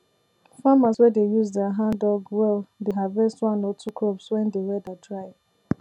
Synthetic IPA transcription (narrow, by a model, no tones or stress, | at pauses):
famaswɛdejuzdɛaɦãndɔɡwɛldeɦavɛstwãnɔtʰukɹɔpswɛ̃ndeɹɛdadɹaɪ